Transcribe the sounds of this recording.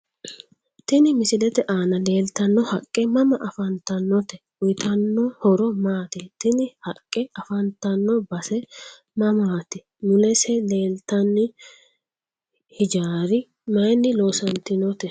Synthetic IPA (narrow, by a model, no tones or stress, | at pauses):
t̪ɪnɪmɪsɪlɛt̪ɛʔaːnɐle̞ːlt̪ɐnːɔhɐkʼːɛmɐmɐʔɐfɐnt̪ɐnːɔt̪ɛ | ʊjt̪ʰɐnːɔhɔɾɔmaːt̪ɛt̪ɪnɪhɐkʼːɛɐfɐnt̪ɐnːɔbɐsɛ | mɐmaːt̪ɛ | mʊlɛsɛleːlt̪ɐnːɪ | hɪd͡ʒaːɾɪ | mɐjnːɪloːsɐnt̪ɪnɔt̪ɛ